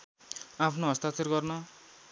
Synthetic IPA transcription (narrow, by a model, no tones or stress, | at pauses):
apʰnoɦʌst̪at̪ʰerɡʌrnʌ